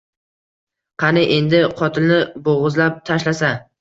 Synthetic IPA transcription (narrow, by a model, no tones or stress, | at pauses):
qʰɑnɪʔe̞nd̪ɪqʰɒt̪ʰɪlnɪboʁɨzlap̚t̪ʰaʃlasa